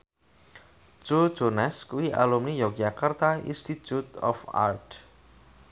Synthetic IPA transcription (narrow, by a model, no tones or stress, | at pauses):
t͡ʃo̥d͡ʒ̥onɛskuwiʔa̰lumnijɔk̚d͡ʒakart̪aḭnst̪it̪ut̪ɔ̰fa̰rt